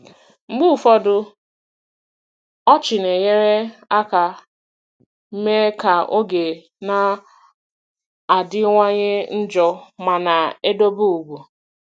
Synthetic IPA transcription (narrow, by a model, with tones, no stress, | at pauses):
ŋ͡m̩˦ɡ͡bu˦˨fɔ˦dʊ˦ | ɔ˦t͡ʃɪ˨ne˨ɲe˦ɾe˦a˦ka˨ | m̩˦me˦ka˨ʔo˦ɡe˨ | na˨ | a˨dɪ˦ŋʷa˦ɲɪ˦n̩˦d͡ʒɔ˦ma˨na˨e˦do˦bu˦u˨ɡʷu˨